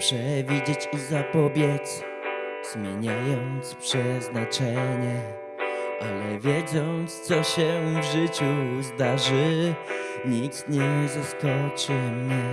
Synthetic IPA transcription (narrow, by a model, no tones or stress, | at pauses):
pʂɛvʲid͡ʑet͡ɕizapɔbʲjɛt̪s | z̥mʲjeɲajɔnt̪spʂɛznat͡ʂɛɲɛ | ʔalɛvʲjɛd̪zɔnt̪st̪sɔɕɛvʐɘt͡ɕuzd̪aʐɘ | ɲiksɲɛzaskɔt͡ʂɘmɲɛ